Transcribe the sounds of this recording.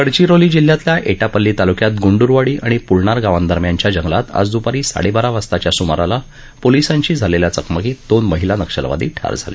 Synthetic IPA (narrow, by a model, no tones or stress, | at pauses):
kəɽt͡ɕiɾoliːd͡ʑil̤ːjat̪ljaʔeʈapəlːiːt̪alukjat̪ɡuɳɖuɾʋaɽiːʔaɽ̃ipuɭɳaɾɡaʋand̪əɾmjaɲt͡ɕjad͡ʑəŋɡlat̪a̰d͡zd̪upaɾiːsa̰ɽebaɾaʋast̪at͡ɕjasumaɾala | polisãɲt͡ɕiːd͡zʱaleljat͡səkməkiːd̪onməɦilanəkʂə̰lʋa̰d̪ḭːʈʰa̰ɾd͡zʱa̰lḛ